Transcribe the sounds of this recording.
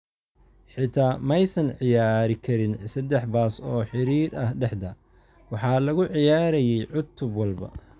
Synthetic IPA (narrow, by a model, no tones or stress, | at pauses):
ħɪt̪ʰaːmɐjsɐnʕɪjaːɾɪkʰɐɾɪnsɐd̪ɛħbaːsɔːħɪɾiːɾɐhɖɛħd̪ɐ | wɑħɑːlɐɣʊʕɪjaːɾɐjɛjʕʊt̪ʰːʊbwɑlbɐ̰